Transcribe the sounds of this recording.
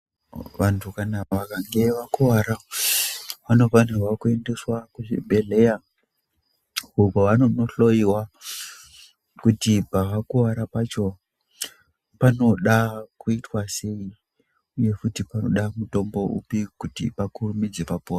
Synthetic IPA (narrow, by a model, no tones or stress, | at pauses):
ʋantʰukanaʋakaŋɡe̞ʋakuwaɾa | ʋano̞fanewakue̞nde̞swakuibʱe̞le̞ja | ukoʋanonoɬo̞jiwa | kutipaʋakuʋaɾapat͡ʃo̞ | pano̞ɗakuitwase̞i | uje̞kutipano̞̰ɗamuto̞mbo̞ʔṵpikutḭpakurumid͡ze̞papua